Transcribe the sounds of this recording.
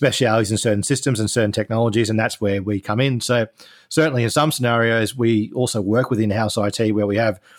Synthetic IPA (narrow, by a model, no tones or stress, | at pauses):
spɛʃiælˠizɨ̃nsɜ˞ʔn̩sɪstɨ̃mzɨ̃nsɜ˞ʔn̩tʰɛk̚nɑlˠəd͡ʒizɨ̃nðætswə˞wikʰʌ̃mɪ̃nsoʊ | sɜ˞ʔn̩lˠiɨ̃nsʌ̃msənɛɹioʊzwiɔlˠsoʊwɜ˞kwɨðɪ̃nhaʊsaɪtʰiwə˞wiɨv̥